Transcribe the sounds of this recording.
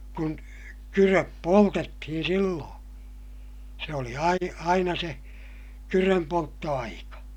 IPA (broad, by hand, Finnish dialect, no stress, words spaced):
kun kyrøp poltetːihin silːõː se oli ɑi ɑinɑ se kyrømpoltːoɑikɑ